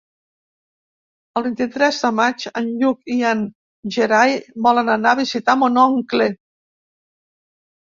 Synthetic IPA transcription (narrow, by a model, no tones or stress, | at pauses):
əlˠβint̪it̪ɾɛzðəmat͡ʃənʎukian | ʒeɾajbɔlənənaβizit̪amonɔŋkle